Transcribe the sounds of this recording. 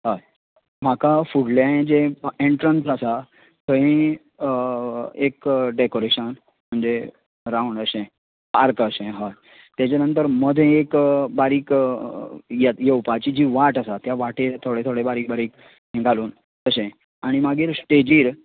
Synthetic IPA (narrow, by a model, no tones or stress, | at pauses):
ɦəj | m̤akafuɽlaẽd͡ʑeeɳʈɾənsasa | t̪ʰəɦẽ | ekɖekoɾeɕən | m̤əɳd͡ze | ɾawɳəɕẽ | paɾkəɕẽɦəj | t̪jat͡ɕanənt̪̬əɾməd̪ʱẽekbaɾiːk | jajewpat͡ɕid͡ʑiʋaʈasat̪jaʋaʈet̪ʰoɽet̪ʰoɽebaɾiːk̚baɾiːk | ɦẽɡaluːn | t̪əɕẽ | aɽ̃imaɡiːɾsʈed͡ʑiːɾ